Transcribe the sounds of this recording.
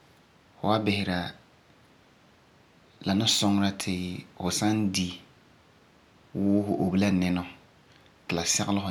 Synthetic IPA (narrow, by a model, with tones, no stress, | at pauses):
fʊ˨wa˦bɪ˨hɪ˨ɾa˨ | la˨nʊ˦sɔ˦ŋ˦ɾa˦tʰɪ˨hʊ˨sa˦ndi˦ | wʊ˦ɦʊ˨ʔo˨bi˦la˦nɪ˦nɔ˦ | kɪ˨la˨sɛ˦ɣlɪ˦hʊ˨